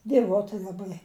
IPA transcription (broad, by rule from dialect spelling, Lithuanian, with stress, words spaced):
dʲiɛˈʋoːtʲɪ lˠɐˈbɐɪ